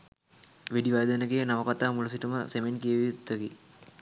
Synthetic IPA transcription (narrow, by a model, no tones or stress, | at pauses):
ʋeɖiʋajd̪ɐnəɡenaʋɐkat̪aːmulɐs̬iʈuməsemenkiəʋiut̪ːəɡi